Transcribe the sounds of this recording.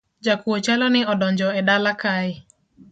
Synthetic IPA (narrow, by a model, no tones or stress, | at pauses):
d͡ʒakuot͡ʃalɔnɪɔdɔɲd͡ʒɔɛdalakaɪ